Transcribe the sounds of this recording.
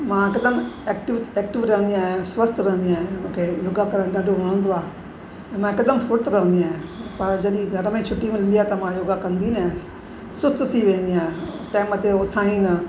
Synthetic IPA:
mãːkɐd̪əmeːkʈɪʋ̪eːk̚ʈɪʋɾəɦənd̪iaːɦẽswəst̪ɾɐɦə̃nd̪iaːɦẽmũːkʰejoːɡakɐɾəɽ̃ɖaːɖʱoʋɐɽ̃ə̃nd̪oaːɦe | ɛ̃ːmãːkɐd̪əmfʊɾt̪ɾɐɦə̃nd̪iaːɦẽpɐɾd͡ʒɐɗĩɡʱɐɾəmẽt͡ʃʰʊʈːimẽlɪ̃nd̪iaːɦet̪ɐmãjoːɡakɐ̃nd̪in | sʊst̪t̪ʰiʋẽːnd̪iaːɦẽtãːɪmət̪eʊt̪ʰaːɦĩnɐ

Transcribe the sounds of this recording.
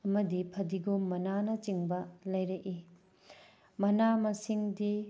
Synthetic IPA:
ɐmɐdipʰɐdiɡomɐnanɐt͡ʃiŋbɐlɐjɾɐʔi | mɐnamɐsiŋdi

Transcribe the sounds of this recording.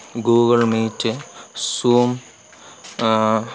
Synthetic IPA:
ɡuːɡɐɭmiːtːɨsuːm

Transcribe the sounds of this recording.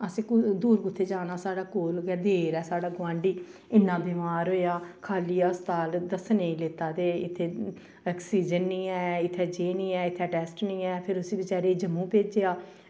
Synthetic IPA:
əsĩːkʊd̪uːɾɡʊt̪ʰːeːd͡ʒaːnaːsaːɖaːkoːlɡɛːd̪eːɾɛːsaːɽaːɡʋãːɳɖiːɪnːãːbiːmaːɾɦoːjaːkʰaːliːaːst̪aːld̪əsnẽĩːleːt̪aːd̪eːɪt̪ʰːeː | ɛːksiːd͡ʒənːĩːɛːɪt̪ʰːɛːd͡ʒeːnĩːɛːɪt̪ʰːeʈɛːsʈnĩːɛːpʰɪɾʊsiːbɪt͡ʃaːɾeːd͡ʒəmũːpeːd͡ʒeːaː

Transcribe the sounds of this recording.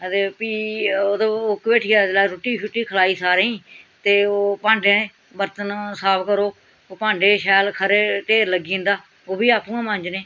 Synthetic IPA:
t̪epiːoːd̪əokbeːʈʰɪjaːd̪laːɾʊʈːiːʃʰʊʈːiːkʰəlaːiːsaːɾeĩːt̪eːoːpãːɳɖeːnẽː | bəɾt̪ənsaːpʰkəɾoː | oːpãːɳɖeːʃɛːlkʰəɾeːʈeːɾləɡĩːnd̪aː | oːbiːaːpũːãːmə̃ɲd͡ʒnẽː

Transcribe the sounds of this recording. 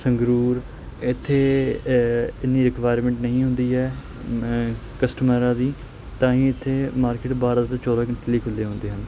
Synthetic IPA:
səŋɡɾuːɾ | ɪt̪ʰːeː | ɪniːɾɪkʋaːjɾmɛ̃ɳʈnəɦĩːɦʊ̃nd̪iːɦɛː | kəsʈəməɾãːd̪iː | t̪ãːĩːɪt̪ʰːeːmaːɾkɪːʈbaːɾaːt̪ẽːt͡ʃɔːd̪aːkəɳʈːliːkʰʊlːeːɦʊ̃nd̪eːɦən

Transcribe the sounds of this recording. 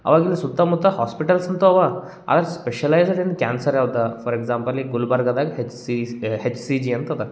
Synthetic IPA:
a̰ʋaɡilisut̪ːamut̪ːahɔspiʈəlsənt̪oaʋa | a̰d̪aɾspeɕəlajzɽinkʲænsəɾjawt̪afɔɾeɡzãmpəliɡulbaɾɡad̪aɡɦesihet͡ʃsid͡ʑiant̪at̪a

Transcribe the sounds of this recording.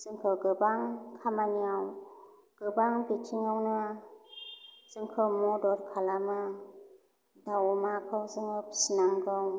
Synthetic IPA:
z̥ɯŋkʰɯɡɯbaŋkʰamaniaw | ɡ̥ɯbaŋbitʰiŋawnɯ | z̥ɯŋkʰɯmɔdɔɾkʰalamɯ | dawmakʰɯwzɯŋɯpsinaŋɡɯw

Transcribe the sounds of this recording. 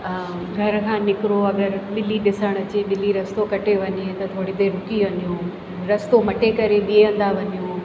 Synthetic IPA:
ɡʱɐɾkʰãːnɪkɪɾoɐɡəɾɓɪliɗɪsəɽ̃ɐt͡ɕeɓɪliɾɐst̪okɐʈeʋɐɲet̪ɐt̪ʰoːɽit̪eɾʊkiʋɐɲijũ | ɾɐst̪omɐʈekɐɾeɓieə̃n̆d̪aʋɐɲijuː

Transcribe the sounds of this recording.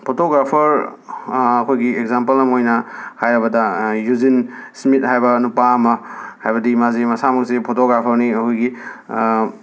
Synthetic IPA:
pʰotoɡɾapʰɐɾ | ɐkʰojɡieɡzampɐlnɐmojnɐhajɾɐbɐdɐjuzinsmit̚ɦajbɐnupaɐmɐhajbɐdimazimɐsamɐk̚sipʰotoɡɾapʰɐɾniɐkʰojɡi

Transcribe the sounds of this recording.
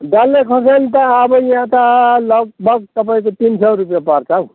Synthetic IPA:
ɖalːekʰʌsanit̪ãːbʌjiãt̪alʌɡ̚bʱʌɡ̚t̪ʌpaĩkot̪insʌrup̬japʌrt͡sʰʌw

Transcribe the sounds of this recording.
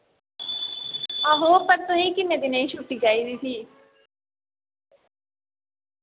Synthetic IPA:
aɦoːpəɾt̪ʊɦĩːkɪnːeːd̪inẽĩʃuːʈiːɡaːiːd̪iːsiː

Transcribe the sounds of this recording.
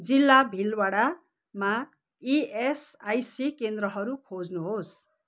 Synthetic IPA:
d͡zilːabʱilwaɽa | ma | iesajsikend̪rʌɦʌɾukʰod͡znuɦos

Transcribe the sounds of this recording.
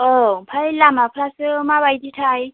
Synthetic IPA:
ɔŋ̩pʰailamapʰrasɪʊmaβaitʼitʰaːi

